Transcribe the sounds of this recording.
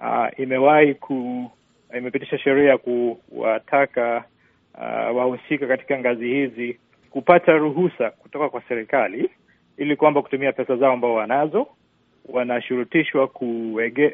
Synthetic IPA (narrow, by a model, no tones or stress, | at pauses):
a̰imɛwaikʰu | imɛpitiʃaʃɛɾiajakuwa̰tʰaka̰ | wahusikakati̥kaŋɡazihizi | kupataɾuɦusaku̥tɔkakwasɛɾikali | ilikwambaku̥tumiapɛsazaɔambaɔwanazɔ | wanaʃuɾutiʃwakuwɛɡɛ